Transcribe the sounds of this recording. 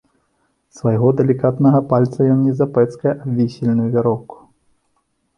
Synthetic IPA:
svɐjɣɔd̪ɛlʲikat̪nɐɣɐpalʲt̪sɐjɔnʲnʲːizɐpɛt̪skɐjɐʔabʲvʲisʲilʲnujuvʲaɾɔwku̥

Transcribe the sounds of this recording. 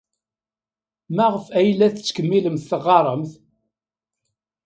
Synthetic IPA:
mæʁəfæjlːæθət͡sːkəmːiləmθθəʁːɑɾˤəmθ

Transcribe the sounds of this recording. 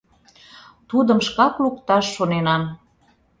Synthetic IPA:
t̪ud̪əmʃkɑkluk̚t̪ɑʃːonenɑn

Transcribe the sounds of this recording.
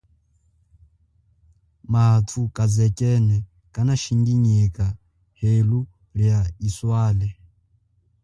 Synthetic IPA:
matʰukʼad͡zɛkʼɛnɛ | kʼanaʃiŋɡiɲika | helu | ɺijaiswaːlɛ

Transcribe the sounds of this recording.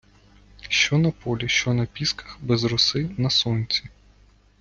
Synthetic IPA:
ʃt͡ʃɔnɐpɔlʲiʃt͡ʃɔnɐpʲiskɐ̥xbɛzrʊsɪnɐsɔnʲt͡sʲi

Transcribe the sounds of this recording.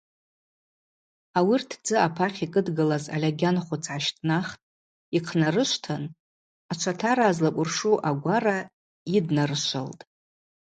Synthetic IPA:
awirtʰd͡zɨapʰaχʲikʼɨdɡɨlaza̰lʲaɡʲanχʷʊt͡sʰʕaʃtʰʼnaχtʼ | iqʰnarɨʃʷtʰan | at͡ʃʷʰatʰaɾaːzlakʷʼʊrʂuʔaɡʷara | idnarɨʃʷa̰ltʼ

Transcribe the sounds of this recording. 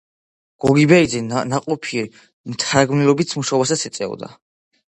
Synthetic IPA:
ɡ̥ɔɡibɛid̪zɛnaqʼɔpʰi | mt̪ʰaɾaɡmnilɔbit̪sʰmuʃaɔbasat̪sʰɛt̪sʼɛɔ̰d̪a̰

